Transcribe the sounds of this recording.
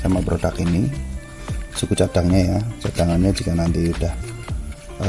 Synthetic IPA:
samabəɾodakini | sukut͡ʃad̥aŋɲajat͡ʃad̥aŋanɲad͡ʒikanant̪iud̥ah

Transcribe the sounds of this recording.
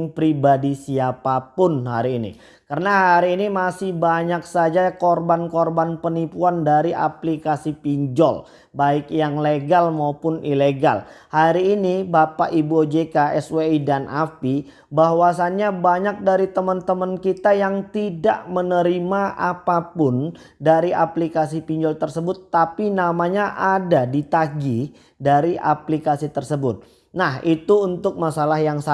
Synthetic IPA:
ŋpɾibadisiapapʊnɦaɾiːnḭ | kərənaɦaɾiːnimasɪhbaɲaksad͡ʒakɔrbankɔrbanpənipuandaɾiʔa̰plikasipiɲd͡ʒɔ̰l | baɪkjaŋleɡalmaupʊnileɡa̰lhaɾiːnibapaʔibuod͡ʒekaʔɛsweidanʔa̰pi | baɦwasanɲabaɲak̚daɾit̪əmənt̪əmənkit̪ajaŋt̪ida̰ʔmənəɾimaʔapapʊn | daɾiaplikas̬ipiɲd͡ʒɔlt̪ərsəbʊt̪ːapinamaɲaʔadadit̪aɡi | daɾiʔa̰plikasit̪ərsəbʊt̪̚ | nahit̪uunt̪ʊk̚masalahjaŋs

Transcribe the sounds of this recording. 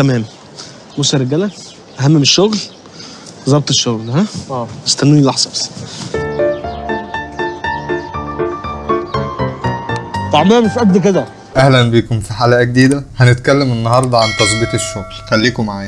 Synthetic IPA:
t̪æmæːm | mosɑɾeɡælæ | ʔæɦæmːemeʃːoɣl | bezˤːɑb̚t̪ˤeʃːoɣlhæest̪ænːunilɑħzˤɑbs | t̪aʕmæːmefʔæd̪ːked̪æ | ʔæhlænbikomfiħaːlæʔæɡ̚d̪iːd̪æhænet̪kælːæmʔenːɑhɑɾˤd̪ˤɑʕant̪ˤɑsˤbit̪eʃːoɣlxælːiːkomaʕaːnæ

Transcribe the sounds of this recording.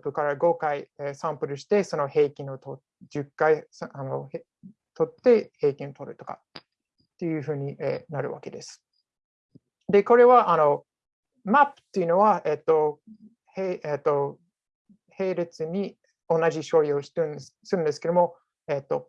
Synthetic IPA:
pɯ̟kaɾaɡo̞kaiesãmpɯ̟ɾɯ̟ɕi̥t̪e̞so̞no̞he̞ːkʲĩɰ̃o̞t̪o | d͡ʑɨkːaisano̞̰ | t̪o̞t̪ːe̞he̞ːkʲĩɰ̃ot̪o̞ɾɯ̟̰t̪o̞ka̰ | t̪ːe̞jɯ̟ɸɯ̟ːɲ̟iḛːnaɾɯ̟βa̰ke̞d̪e̞sɨ̥ | d̪e̞ko̞ɾe̞βaʔano̞ | mapːɯ̟̥t̪ːe̞iɯ̟no̞βaet̪ːo̞ | heet̪ːo̞ | he̞ːɾe̞t͡sɨɲ̟i | o̞naʑiɕo̞ɾʲioɕi̥t̪ẽsɨɾɯ̟̃nd̪eske̞d̪omo̞ | et̪ːo̞

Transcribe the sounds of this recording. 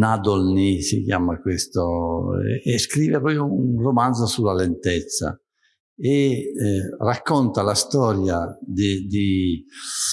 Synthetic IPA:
nad̪olnisḭkjaːmakwest̪ɔɛ̰ɛskɾiːvɛpɔɔunrɔmand̪zɔsulalɛnt̪ɛt̪sːa̰ | ɛ | rakːɔnt̪alast̪ɔːɾjad̪id̪i

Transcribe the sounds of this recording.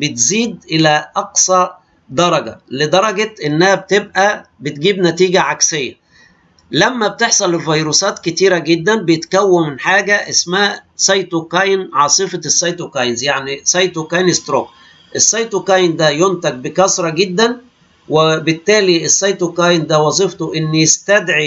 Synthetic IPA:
bɪt̪ziːd̪̚ʔɪlæʔɑqsˤɑ | d̪ɑɾˤɑɡæ̰lɪd̪ɑɾˤɑɡɑʔenːæhæb̚t̪ebʔæbɪt̪ɡiːbnæt̪iːɡæʕaksejːæ̰ | læmːæb̚t̪eħsˤɑlelvɑjɾuːsɑːt̪kɪt̪iːɾæɡed̪ːænbejet̪kæwːemɪnħaːɡæʔasmæːʔsˤɑjt̪ukɑjnʕɑːsˤɨfɑsˤːɑjt̪okɑjnzjaʕnisˤɑjt̪okɑjnɪst̪ɾo̰ːk | ʔesːɑjt̪okɑjnd̪æjont̪æɡ̚bɪkɑsɾˤɑɡed̪ːæn | webɪt̪ːæːliʔesːɑjt̪okɑjnd̪æwɑzˤift̪oʔɪnːest̪æd̪ʕi

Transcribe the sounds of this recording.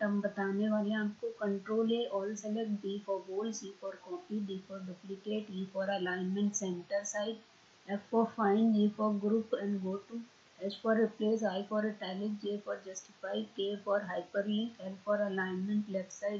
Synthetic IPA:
t̪ɐmbɐt̪aːneʋaːliãmkokə̃ɳʈɾoːleʔɔːlsɛlek̚ʈd̪iːfɔɾboːlsiːfɔːɾkɔ̃ːmpiɖiːfɔːɾɖuplɪkeːʈjiːfɔːɾɐlaːɪnmɛ̃ɳʈsẽɳʈəɾsaɪɖ | ɛfɔɾfãɪ̃nɖdiːfɔɾɡɾuːpɛ̃nɖɡoːʈu | ɛd͡ʒfɔːɾɪpleːs̬aːjfɔːɾeʈɛːlɪk̚d͡ʒefɔːɾd͡ʒɐsʈɪ̥faːɪkeːfɔːɾɦaɪpəɾiə̃ntɛlpʰːɔɾɐlaːɪnmə̃ɳʈlɛfsaɪɖ

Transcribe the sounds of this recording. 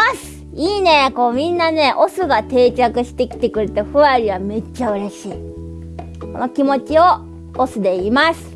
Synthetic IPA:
asɨ̥ | iːne̞ko̞ːmʲĩnːane̞ʔo̞sɨɡat̪e̞ːt͡ɕakɯ̟ɕi̥t̪e̞kʲi̥t̪e̞kɯ̟ɾet̪oɸɯ̟aɾʲiβame̞t͡ɕːaɯ̟ɾe̞ɕiː | kono̞kʲimo̞t͡ɕio̞ː | sɨd̪e̞imasɨ̥

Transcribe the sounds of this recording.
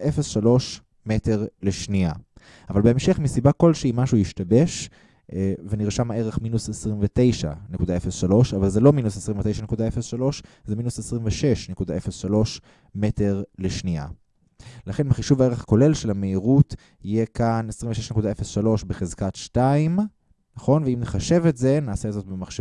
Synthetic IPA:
ʔefesʃalo̞ʃ | mete̞ʁle̞ʃnia | avalbeemʃeχmisibako̞lʃeimaʃujiʃtabe̞ʃ | veniʁʃamaeʁeχminusesʁimvete̞jʃa̰nekudae̞fesʃalo̞ʃavalzelo̞minusesʁimɱvet̪ejʃane̞kud̪aefesʃalo̞ʃ | zeminusesʁiɱveʃe̞ʃne̞kud̪ae̞fesʃalo̞ʃ | me̞te̞ʁle̞ʃnia̰ | laχe̞nbeχiʃuvae̞ʁeχko̞le̞lʃelameiʁut | ije̞kanesʁiɱveʃeʃnekudaefesʃalo̞ʃbeχezkatʃtaim | naχo̞nveimneχaʃe̞vetze̞naːsezo̞t̚bemaχʃe

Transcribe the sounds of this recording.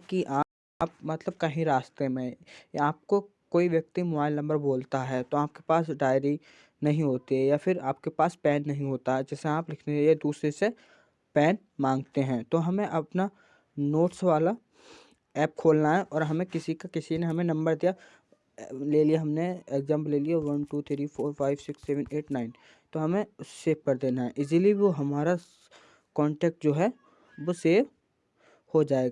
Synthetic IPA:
kiʔaː | pmɐt̪ləb̚kɐɦĩɾaːst̪emẽaːp̚kokoːiʋjɐk̚t̪imʊbaːɪlnɐ̃mbəɾboːlt̪aɦɛt̪oaːp̚ke̥paːsɖaːɪɾi | nɐɦĩɦoːt̪iɦɛ̃jafʰɪɾaːp̚kepaːspɛːnːɐɦĩɦoːt̪aɦɛd͡ʒɛːseaːplɪkʰneaːled̪uːsɾese | pɛːn | mãːŋɡ̚t̪eɦɛ̃ːt̪oɦɐmẽʔɐpna | noːʈsʋaːla | ɛːp̚kʰoːlnaɦɛʔɔːɾɦɐmẽkɪsikakɪsineɦɐmẽnɐ̃mbəɾd̪ija | leːliaɦɐmneeːɡzãːmplːeːlijaʋɐnʈuːt̪ʰɾiːfʰoːɾfaːɪbsɪksːɛːʋəneːʈnaːɪn | t̪oɦɐmẽseːbkɐɾd̪eːnaɦɛʔɪzilibʱiʋoɦɐmaːɾa | kɔːɳʈɛːk̚ʈ̚d͡ʒoːɦɛ | ʋoseːʋ | hod͡ʒaːeɡa

